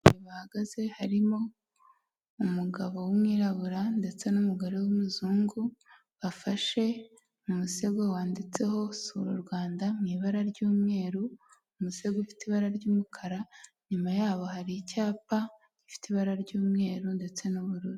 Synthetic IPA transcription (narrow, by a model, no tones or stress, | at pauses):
iβahaɡaz̥e̞haɾimo̞ | umuɡaβo̞wumŋiːɾaβuɾande̞t͡se̞numuɡoɾe̞wumuzuːŋɡu | βafaʃe̞ | mumuse̞ɡwawaːndit͡se̞ho̞suɾuɾɡwaːndamŋiːβaɾaɾɟuːmŋe̞ːɾu | umuse̞ɡufi̥tiβaɾaɾɟuːmukʰaɾa | ɲumajaːβo̞haɾicaːpa | ɟ̥ifi̥tiβaɾaɾɟuːmŋe̞ːɾunde̞t͡se̞nuβuɾuɾuu